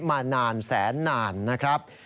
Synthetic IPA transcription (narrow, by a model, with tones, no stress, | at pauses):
maː˧naː˧nsɛː˩˦nːaː˧nːa˦˥kʰɾa˦˥p̚